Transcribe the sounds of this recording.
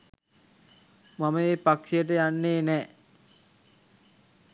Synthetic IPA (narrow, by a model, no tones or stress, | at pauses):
mamɐeːpakʂijəʈ̬əjanːeːnɛː